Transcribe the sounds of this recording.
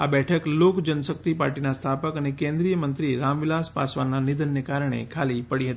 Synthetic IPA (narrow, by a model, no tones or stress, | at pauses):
abɛʈʰəklokd͡ʒənsək̚t̪ipa̰ɾʈinast̪ʰapəkənekẽnd̪ɾijəmənt̪ɾiɾamʋilaspa̰sʋanːanid̪ənːekaɾəɳ̃ḛkʰalipəɽiɦət̪i